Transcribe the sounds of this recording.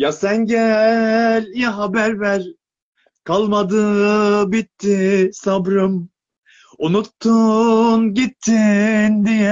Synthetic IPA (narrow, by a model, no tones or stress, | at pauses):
jasænɟæ | lʲjaɦabæɾvæɾ | kʰalˠmad̪ɯbit̪ʰːisabɾɯm | unut̪ʰːunɟit̪ʰːind̪ijɛ